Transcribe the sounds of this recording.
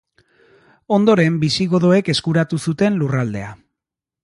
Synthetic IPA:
o̞nd̪o̞ɾe̞mbisiɣo̞ð̞o̞e̞ke̞skuɾat̪usut̪e̞nlurald̪e̞a

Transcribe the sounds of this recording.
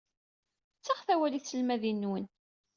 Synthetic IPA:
t͡sːəʁθæwæliθsəlmæðinːwən

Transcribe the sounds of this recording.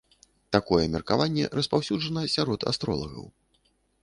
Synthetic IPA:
t̪akɔjɛmʲɛrkavanʲːɛ̰ɾɐspawsʲud͡ʐɐnɐsʲaɾɔt̪ʰa̰st̪ɾɔ̰lˠɐ̰ɣɐ̰w

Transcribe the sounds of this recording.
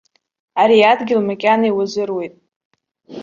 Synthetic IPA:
aɾiadɡʲɪlmakʲʼanaiwazɨrwejtʼ

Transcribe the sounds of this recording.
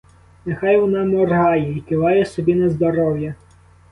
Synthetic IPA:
nexɑjʋɔnɑmɔrɦɑjɛikɪʋɑjɛsɔbʲinɐzd̪ɔɾɔwjɐ

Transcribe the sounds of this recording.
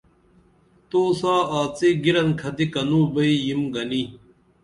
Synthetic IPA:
t̪oːsaːaːt͡seɡiɾɐnkʰɐt̪ikɐnuːbɐijimɡɐni

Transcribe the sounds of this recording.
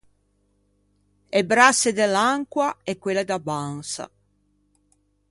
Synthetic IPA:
ebɾasːed̪elaŋkwaɛkwelːed̪abansa̰

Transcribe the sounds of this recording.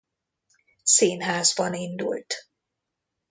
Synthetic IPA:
seːnɦaːzbɒnind̪ṵlt̪

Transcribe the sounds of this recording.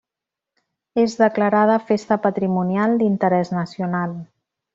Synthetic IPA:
ezðəkləɾað̞əfest̪əpət̪ɾimunijalˠd̪int̪əɾɛznəsiunalˠ

